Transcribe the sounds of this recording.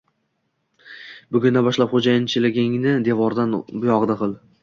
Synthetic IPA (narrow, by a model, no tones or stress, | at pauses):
bʊɡʲʊnd̪abɒʃlapχod͡ʒajɪnt͡ʃʰɪlɪɡʲɪŋnɪd̪e̞vɒɾd̪anbʊjɒʁd̪aqʰɨlˠ